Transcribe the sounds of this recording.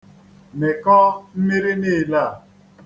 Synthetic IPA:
mɛ˨kɔ˦m̩˦me˦ɾe˦neː˦˨la˦˨

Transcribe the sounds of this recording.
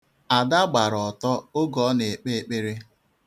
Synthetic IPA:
a˨da˦ɡ͡ba˨ɾɔ˨tɔ˦o˦ɡɔ˨˦ne˨k͡pe˦˨k͡pe˦ɾe˦

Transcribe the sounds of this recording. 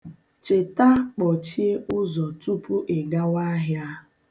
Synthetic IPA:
t͡ʃe˨ta˦k͡pɔ˨t͡ʃi˦e˦ʊ˦zɔ˨tu˦pu˦ʔe˨ɡa˦wa˦ɦja˦

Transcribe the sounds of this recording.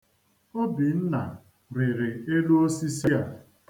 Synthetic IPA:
o˦bi˨n̩˦na˨ | ɾɪ˨ɾɪ˨e˦lu˦o˦si˦si˦a˨

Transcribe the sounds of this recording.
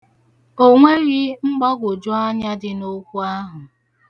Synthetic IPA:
o˦ŋʷe˦ɾi˦ŋ͡m̩˦ɡ͡bɔ˦ɡʷʊ˨d͡ʒʊ˦a˦ɲa˦dɪ˨no˦kʷu˦a˦ɦʊ˨

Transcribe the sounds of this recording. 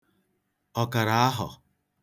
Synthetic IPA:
ɔ˨ka˨ɾa˨a˦ɦʊ̰˨

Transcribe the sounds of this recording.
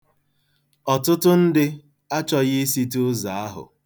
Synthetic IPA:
ɔ˨tʊ˦tʊ˦n̩˦dɪ˦ | a˦t͡ʃɔ˦ɣɪ˦si˦tʊ˦za˨a˦ɦʊ̰˨

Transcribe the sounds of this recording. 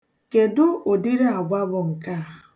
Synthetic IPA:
ke˨dʊ˦o˨di˦ɾe˦a˨ɡʷa˦bʊ˨ŋ̩˨ka˦˨

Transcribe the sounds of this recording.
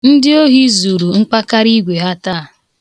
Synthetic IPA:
n̩˦dɪ˦o˦ɦi˦zu˨ɾu˨ŋ̩˦k͡pa˦ka˦ɾi˦ɡʷe˨ɦa˦taː˦˨

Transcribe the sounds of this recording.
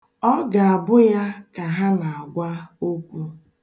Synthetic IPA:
ɔ˦ɡa˨a˨bʊ˦ja˦ka˨ɦa˦na˨a˨ɡʷa˦o˦kʷu˦

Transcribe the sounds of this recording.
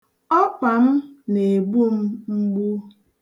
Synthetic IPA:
ɔ˦k͡pa˨m̩˦ne˨ɡ͡bu˦m̩˦ŋ͡m̩˦ɡ͡bu˦

